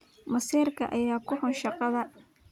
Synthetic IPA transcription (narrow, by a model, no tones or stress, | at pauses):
mɐsiːrkʰɐʔɐjaːkʰʊħʊnʃɑqɑðɐ